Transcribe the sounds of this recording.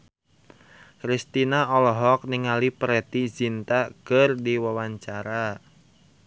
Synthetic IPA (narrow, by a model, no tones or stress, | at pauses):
kɾist̪inaɔlɔɦɔk̚niŋalipɾɛt̪izint̪akərdiwawaɲt͡ʃaɾa